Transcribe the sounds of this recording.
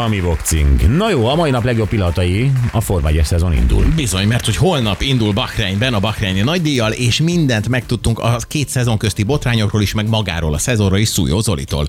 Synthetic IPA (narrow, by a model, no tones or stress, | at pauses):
ɒmivokt̪sḭŋɡnɒjoːɒmɒinɒplɛɡjo̞pːilːɒnt̪ɒjiɒfo̞rva̰ːɟɛʃsɛzo̞nḭnd̪ṵlbizo̞ɲmɛrt̪ho̞cho̞lnɒpind̪ulbɒxrɛːɲbɛnɒbɒxrɛːɲinɒɟd̪ijːɒleːʃmind̪ɛnt̪mɛkt̪ut̪ːuŋkɒkeːt̪sɛzo̞ŋkøst̪ibo̞t̪raːɲo̞kroːliʃmɛɡmɒɡa̰ːɾo̰ːlɒsɛzo̞roliʃsṵːjo̰ːzo̞lḭt̪o̰ːl